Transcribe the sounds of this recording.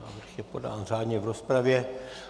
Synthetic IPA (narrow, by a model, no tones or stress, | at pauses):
a̰ːvr̩xjɛpo̞da̰ːnr̝aːdɲɛvɾospɾavjɛ